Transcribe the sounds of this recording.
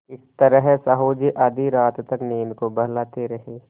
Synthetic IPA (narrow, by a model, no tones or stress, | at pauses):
ɪst̪ɐɾəɦsaɦoːd͡ʒiʔad̪ʱiɾaːt̪t̪ɐkneːnkobɐɦlaːt̪eɾɐɦeː